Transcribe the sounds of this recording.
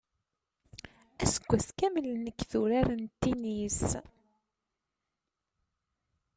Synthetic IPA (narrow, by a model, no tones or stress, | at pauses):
æsə̥ɡʷːæθkæməlnəkːðuɾaɾnt̪ːinis